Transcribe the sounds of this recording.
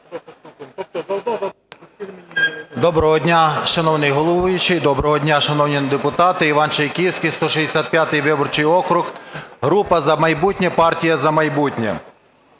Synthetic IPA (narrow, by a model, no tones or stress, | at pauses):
d̪ɔbɾɔɦɔdʲnʲaʃɐnɔwnɪjɦɔlˠɔʋujʊt͡ʃɪjd̪ɔbɾɔɦɔdʲnʲaʃɐnɔwnʲid̪epʊt̪ɑt̪ɪiʋɑnt͡ʃɐjkʲiwsʲkʲijst̪ɔʃizd̪esʲat̪̚pʲjat̪ɪjʋɪbɔrt͡ʃɪjɔkɾʊxɦɾupɐzɐmɐjbutʲnʲɛpɑrtʲijɐzɐmɐjbutʲnʲɛ̰